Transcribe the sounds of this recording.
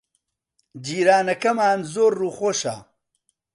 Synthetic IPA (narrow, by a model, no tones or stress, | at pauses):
d͡ʒiːɾaːnɐkɐmaːnzoːrːuːxoʃɐ̰